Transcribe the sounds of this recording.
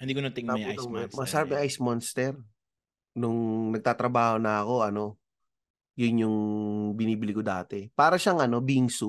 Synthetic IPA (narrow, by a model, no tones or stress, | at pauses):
ɪnd̪iːkonɐt̪ɪŋnaut̪ɐŋmɐsɐɾap̚nɐʔajsmonst̪ɛɾ | nʊŋnɐɡ̚t̪aːt̪ɾɐbaːho̞nɐɐko̞ʔɐno̞ | jʊnjʊŋbɪniːbɪlɪɡkʊd̪aːt̪ɛpaːɾɐʃaŋɐno̞biŋsʊ